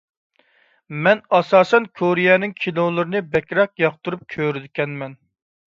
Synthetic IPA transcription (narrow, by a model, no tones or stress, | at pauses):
mɛnɑsɑːsɛnkʰoɾijɛnɪŋkʲʰinolˠɨɾɨnɨbɛkʲɾɛq̚jɑqt̪uɾup̚kʲʰøɾɪd̪ɪkʲɛnmɛn